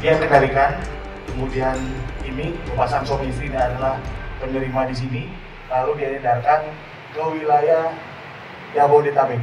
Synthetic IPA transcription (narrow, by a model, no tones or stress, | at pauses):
diasəɡalikan | kəmudianinibəpasansomistɾidiadalahpənəɾimadis̬ini | laludianidarkan | kəwilaja | jabodit̪abɪk